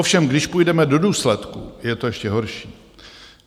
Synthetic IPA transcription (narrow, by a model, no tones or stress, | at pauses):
ofʃɛmɡdɪʃpujdɛmɛdo̞duːslɛt̪kṵjɛt̪o̞jɛʃcɛɦo̞ɾʃiː